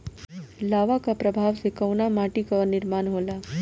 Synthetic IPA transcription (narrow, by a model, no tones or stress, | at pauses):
laːʋakapɾɐbʱaːʋsekɐʊnamaːʈikaɔɾnɪɾmaːnɦoːlaː